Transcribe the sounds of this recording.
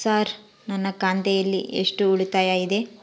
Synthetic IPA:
saːɾ | nɐnːɐkaːnd̪ɛjɐlːḭʔḛʂʈuuɭit̪aːjaid̪e̞

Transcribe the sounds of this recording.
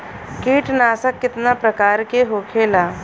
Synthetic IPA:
kiːʈnaːsəkːɪt̪napɾɐkaːɾkeɦoːkʰeːlaː

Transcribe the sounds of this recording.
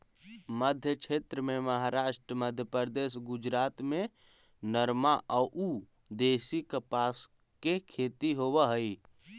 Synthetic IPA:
məd̪ʱjəkʃʰeːt̪ɾəmẽməɦaɾaːʃʈɾəməd̪ʱjəpɾd̪eːʃɡʊd͡ʒɾaːt̪mẽ | nəɾmaʔɔːʔuː | d̪eːsikəpaːs | kekʰeːt̪iɦowaɦəi

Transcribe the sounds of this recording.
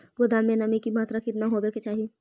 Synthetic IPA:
bʊd̪amẽnɐmikimaːt̪ɾakɪt̪naɦobeːket͡ʃaːɦie

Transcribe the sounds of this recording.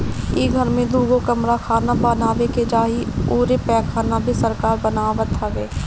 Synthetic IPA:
iːɡʱəɾmẽd̪uːɡokəmɾakʰaːnabanaːʋeked͡ʒaːɦioːɾepɛːkʰːaːnabʱisəɾkaːɾbənaːʋət̪ɦɐʋeː

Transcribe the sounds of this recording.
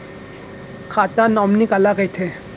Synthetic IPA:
kʰat̪anɔmnikalakəjt̪ʰe

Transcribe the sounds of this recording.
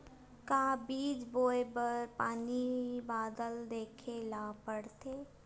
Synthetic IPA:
kaːbiːd͡ʒboːebəpaːnibaːd̪əld̪eːkʰelaːpəɽt̪ʰeː

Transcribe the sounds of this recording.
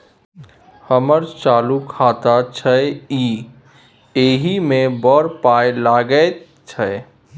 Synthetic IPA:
həməɾt͡ʃaːlukʰat̪at͡ʃʰəiː | eːɦimẽbɔɾpaːjlaɡəe | t͡ʃʰə

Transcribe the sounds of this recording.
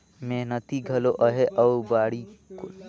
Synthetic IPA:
meɦnət̪iɡʱɐloʔɐɦeʔɐwbaːɽiko

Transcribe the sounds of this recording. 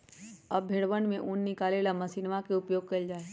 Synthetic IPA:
ɐbʱeːɽʋənmẽʔʊnːɪkaːlelamɐsinʋakeʊpjoːɡ̚kɐld͡ʒaːe

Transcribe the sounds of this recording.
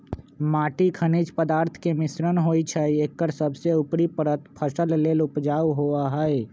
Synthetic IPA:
maʈikʰənid͡ʒpəd̪aːɾt̪ʰkemisɾənɦojt͡ʃʰəiekːəɾsəbseupɾipəɾət̪pʰəsəllelupd͡ʒawɦoaɦəj

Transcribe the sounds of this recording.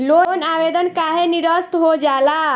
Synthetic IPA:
lonabed̪ənkaɦeniɾəst̪ɦod͡ʒala

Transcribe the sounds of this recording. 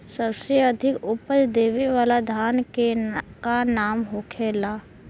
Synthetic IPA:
səbseɐd̪ʱɪkʊpəɾd̪eːʋiʋaːlad̪ʱaːnkekanaːmɦokʰeːlaː

